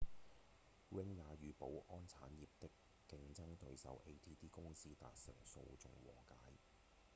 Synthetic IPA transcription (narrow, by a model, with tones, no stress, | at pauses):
wɪ˥ŋːaː˨˧jyː˨˧po˨˥wʔɔː˥nt͡sʰaː˨˥njiː˨p̚t̪ɪ˥kː | ɪ˧ŋt͡sɐ˥ŋt̪ɵ˨˧ɥsɐ̰˨˧wʔe˥jt̪ʰiː˥t̪ʰiː˥kʊ˥ŋsiː˥t̪a̰ː˧t̚sɪ̰˨˩ŋso̰˧wt͡sʊ̰˨˧ŋwɔ̰ː˨˩kaː˨˥j